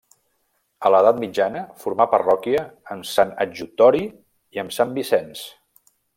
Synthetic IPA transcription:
ələðat̪mid͡ʒanəfuɾmapərɔkiəːmsanəd͡ʒut̪ɔɾi | iəmsambisɛns

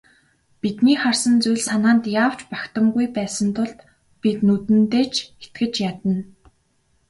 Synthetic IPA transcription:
pit̪niːχarsə̆nt͡sujɮsanaːnt̪jaːw̥t͡ɕpakt̪ə̆mɡujpæːsə̆nt̪ʰʊɮt̪ | pit̪nut̪ɘ̆nt̪eːt͡ɕʰe̥t̪ɡɘ̆t͡ɕjat̪ə̆n

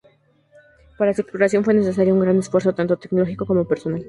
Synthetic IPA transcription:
paɾasikɾuɾasjo̞nfwe̞ne̞ses̬aɾjouŋɡɾane̞sfwe̞ɾso̞t̪ant̪ot̪e̞kno̞lo̞xiko̞ko̞mo̞pe̞ɾso̞nal

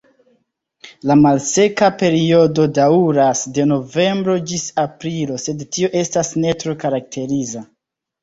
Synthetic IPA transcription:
lamalse̞kape̞ɾio̞do̞dauɾasde̞no̞ve̞mbɾo̞d͡ʒisapɾilo̞se̞dtio̞ʔe̞stasne̞tɾo̞kaɾak̚tʰe̞ɾiza

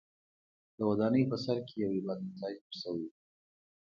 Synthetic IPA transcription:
d̪əwad̪ɑnəjpəsaɾkejawebad̪ɪt̪ɑd͡ʒxəɾsəwi

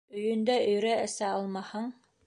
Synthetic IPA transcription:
ɵ̆jɵ̆nd̪æɵ̆jɾæɘ̆sæɑlˠmɑhɤɴ

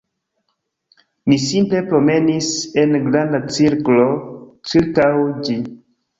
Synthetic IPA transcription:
misimple̞pɾo̞me̞nise̞nɡɾandat͡siɾklo̞t͡ʃiɾkawd͡ʒi

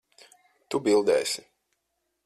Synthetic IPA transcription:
t̪ubilˠd̪ɛːjsʲi

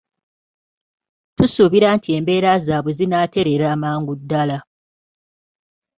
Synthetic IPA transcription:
tusuβiɾaːntʰie̞ːmbe̞ːɾazaːβwezinaːte̞ɾe̞ɾaːmaːŋɡudːala

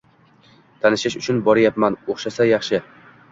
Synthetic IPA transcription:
t̪ʰanɪʃɪʃʊt͡ʃʰʊnbɒɾajapmanoχʃasajɑχʃɪ

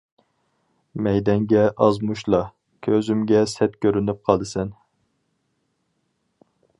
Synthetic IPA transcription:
mɛjd̪ɛŋɡʲɛʔɑzmuʃlˠɑ | kʲʰøzymɡʲɛsɛt̪kʲʰøɾynyp̚qʰɑlˠd̪ɨsɛn

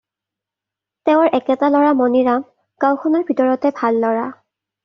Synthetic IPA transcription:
tɛʊɹʔɛkɛtalɔɹamɔniɹam | kawkʰɔnɔɹbʱitɔɹɔtɛbʱalːɔɹa

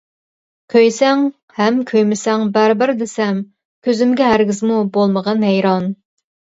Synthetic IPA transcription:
kʲʰøjsɛŋ | hɛmkʲʰøjmɪsɛŋbæɾɪbɪɾd̪ɪsɛm | kʲʰøzɪmɡʲɛɦæɾɡʲɪzmubolˠməʁɑnɦɛjɾɑn

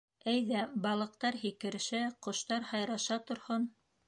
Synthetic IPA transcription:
æjðæbɑlˠɤ̆q̚t̪ɑɾɦikɘ̆ɾɘʃæqŏʃt̪ɑɾhɑjɾɑʃɑt̪ŏɾhon

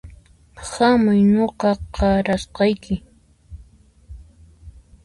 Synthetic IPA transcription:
hamʊjnoqɑqɑɾasqɑjkɪ

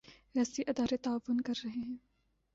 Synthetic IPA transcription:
ʋɛːsiʔɐd̪aːɾet̪aːʋːʊnkɐɾːɐɦeɦɛ̃ː

